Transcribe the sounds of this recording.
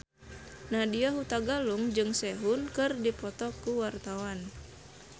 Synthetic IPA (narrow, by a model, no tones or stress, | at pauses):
nadiaɦut̪aɡaluŋd͡ʒɨŋsɛɦunkɨrdipɔt̪ɔkuwart̪awan